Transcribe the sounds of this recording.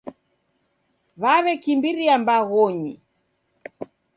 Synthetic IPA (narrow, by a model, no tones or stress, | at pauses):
βaβɛkimbiɾiambaɣɔɲi